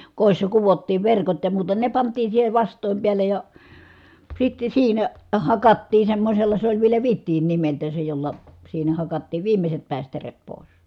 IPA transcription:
koˑisːɑ kuʋotːiːʋ ʋerkot jɑ muːtɑ ne pɑntˑiː siːhe ʋɑstˑoˑim piælej jɑ sitːe siːnæ hɑkɑtːiː semːosʲelːɑ se olʲ ʋielæ ʋitːiːn nimeltˑæː se jolːɑ siːnæ hɑkɑtːiːʋ ʋiːmeset pæˑistæret poˑis

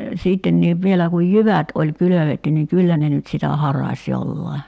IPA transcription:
siːtːenːiːʋ ʋielæ kuj jyʋæt olʲ kyløʋetːy niŋ kylːæ ne nyt sitæ hɑrɑsʲ jolːɑi̞

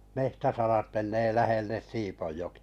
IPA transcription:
mehtæsɑrɑt meneː læhelːes siːpojːoki̥ɑ̥

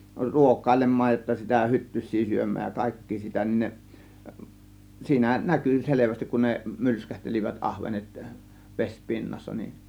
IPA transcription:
ruokˑɑˑe̝lemˑɑːj jotːɑ sitæ hytːysˑiː syømˑæːj jɑ kɑˑe̝kːiː sitæ nin ne siːnæ nækyˑ seleʋæstik kun ne mylskæhtelʲiʋæt ʔɑhʋenet ʋes pinːɑsːɑ nin

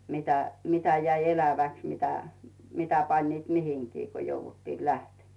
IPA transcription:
mitæ mitæ jæi elæʋæks mitæ mitæ pɑnʲniːt mihiŋkiː ko jouʋutːiː læhtemæ̥

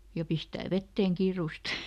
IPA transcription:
jɑ pistæː ʋetːeːŋ kiːruˑst

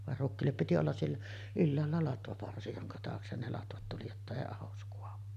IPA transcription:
ʋɑr rukːiːlːep piti olːɑs sielːæ ylːæːlːæ lɑtʋɑpɑrsi joŋkɑ tɑːksen ne lɑtʋɑt tuli jotːɑ eˑi ɑhos kuɑʋu

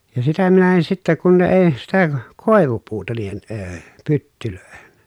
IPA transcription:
jɑ sitæ minæ en sitːæ kun ne eˑi̯ sitæ koˑeʋupuːtɑ niːhen əː pytːyløˑehen

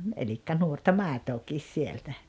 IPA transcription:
elikːæ nuortɑ mɑˑetoːkˑiːs sieltæ

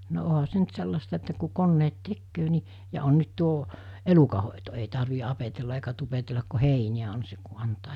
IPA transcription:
no oɦɑ se nyt selːɑstɑ etːæ ku konːeːt tekːøː ni jɑ on nyt tuo elukɑhoˑeto ei tɑrʋi ɑpetelːɑ eikæ tupetelːɑk ko heinij̆æ on seŋ̆ ku ɑntɑː

